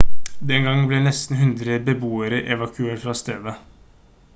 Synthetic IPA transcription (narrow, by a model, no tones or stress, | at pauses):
d̪ɛŋɡɑŋblɛnɛst̪n̩ɦʉnd̪ɾəbəbuːəɾəʔɛʋɑkʰʉeːʈfɾɑːst̪eːd̪ə